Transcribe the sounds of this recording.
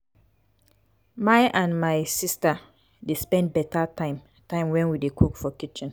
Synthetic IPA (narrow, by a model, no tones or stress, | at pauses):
maɪʔãnmaɪsista | despɛ̃nd̚bɛtʰatãɪ̃m | tãɪ̃mwɛ̃nwidekʰukfɔkit͡ʃĩn